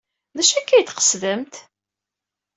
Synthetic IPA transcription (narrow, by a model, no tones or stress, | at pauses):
ðæʃækːæjt̪qə̥sðəmt̪